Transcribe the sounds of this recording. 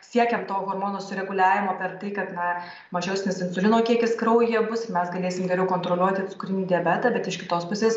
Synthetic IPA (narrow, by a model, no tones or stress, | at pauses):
sʲiɛkʲɛmt̪oːɣoːrmoːnoːsʊɾʲɛɡʊlʲæːʋʲɪmoːpʲɛɾt̪ɐɪkɐt̪nɐ | mɐʒʲɛʊsʲnʲɪsɪnsʊlʲɪnoːkʲiɛkʲɪskɾɐʊjiɛbʊsmʲɛsɡɐlʲeːsʲɪmɡʲɛɾʲɛʊkoːnt̪ɾoːlʲuɔt̪ʲɪtsʊkɾʲɪnʲiːd̪ʲɪɛbʲæt̪ɐbʲɛt̪ɪʃkʲɪt̪oːspʊsʲeːs